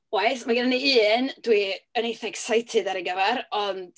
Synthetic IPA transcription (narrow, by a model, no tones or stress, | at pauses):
wajsmaɡɪdaneɨːndwiənejθɛɡ̥sajtʰɨdaɾiɡəvɛɾɔnd̥